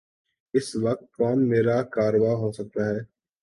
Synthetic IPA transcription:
ɪsʋək̚t̪̚kaːnmeːɾaːkaːɾʋaːɦoːsək̚t̪aːɦɛː

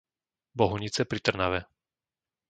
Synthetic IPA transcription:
bɔɦuɲit͡sɛpɾit̪r̩naʋɛ

